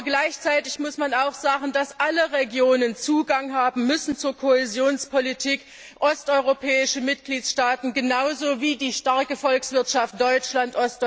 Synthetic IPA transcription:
ɡlaɪçt͡saɪtɪçmʊsmanaʊxz̥aːɡn̩dasʔaləʁeɡjoːnənt͡suːɡaŋɦaːbm̩mʏsn̩t͡suːɐkʰoezjoːnspolitʰiːk | ʔɔstʔɔʏʁopʰɛːɪʃəmɪt̚ɡ̥liːtʃtaːtn̩ɡənaʊzoːviːdiːʃtaɐkəfɔlksv̥ɪɐtʃaft̚d̥ɔʏt͡ʃlantʔɔst

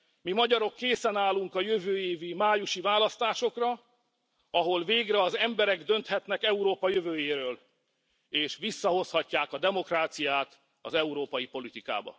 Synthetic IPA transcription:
mimɒɟɒɾo̞kːeːsɛnaːluŋkɒjøvøːeːvimaːjuʃivaːlɒst̪aːʃo̞krɒ | ɒɦo̞lveːɡrɛɒzɛmbɛɾɛɡd̪ø̞nt̪hɛt̪nɛkɛuɾoːpɒjøvøːjeːɾøːl | eːʃʋisːɒɦo̞shɒcːaːkɒd̪ɛmo̞kraːt̪sijaːt̪ | ɒ̰zɛuɾoːpɒjipo̞lit̪ika̰ːbɒ̰

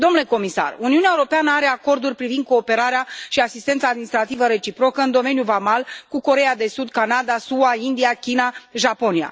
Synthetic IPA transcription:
d̪omnule̞ko̞misa̰runiuneaewuɾo̞peanəaɾe̞ako̞rd̪urʲpɾivind̪̚ko̞ːpe̞ɾaɾeaʃiasist̪e̞nt̪saːd̪minist̪ɾat̪ivəɾe̞t͡ʃipɾo̞kəɨnd̪o̞me̞njuvamalkuko̞ɾe̞jad̪e̞sud̪kanad̪asuaind̪iakʲinaʒapo̞nija̰

